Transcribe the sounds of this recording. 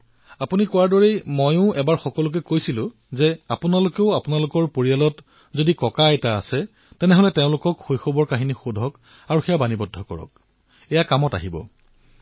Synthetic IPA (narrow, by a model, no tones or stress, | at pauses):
apunikɔwaɹdɔɹejmojʊ̃ɛbaɹxɔkɔlʊk̬ɛkojsilʊ̃ | zɛapʊnalʊkeʊapʊnalʊkɔɹpoɹialɔt | zodikɔkaɛta̰ːsɛ | tɛnɛɦolɛtɛʊ̃lʊkɔkxojxobɔɹkaɦinixudʱɔk | aɹuxɛjabanibɔdʱːɔkɔ̰ɹɔ̰k̚ | ɛjakamɔta̰ɦibɔ̰